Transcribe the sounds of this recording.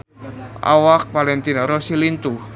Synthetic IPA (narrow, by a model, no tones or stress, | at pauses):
ʔa̰wak̚palɛnt̪inaɾosilint̪u